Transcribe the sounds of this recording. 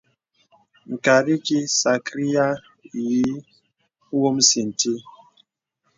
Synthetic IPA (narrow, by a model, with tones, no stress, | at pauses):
ŋ̩˨ka˨ɾi˦ki˦sa˨kɾi˦ja˦˨ | ji˦ | wo˦m̩˦si˨n˨ti˦